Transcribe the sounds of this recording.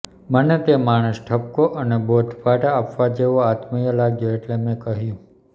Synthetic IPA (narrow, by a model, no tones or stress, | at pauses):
mənet̪emaɽ̃ə̃sʈʰəp̚koʔənebod̪ʱbʱaʈaːpʋad͡ʒeʋoat̪məjəlaɡjoeʈlemẽkəɦjũ